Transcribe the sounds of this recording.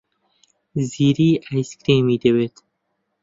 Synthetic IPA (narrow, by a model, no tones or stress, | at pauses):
ziɾiːajskɾiːmid̪ewet̪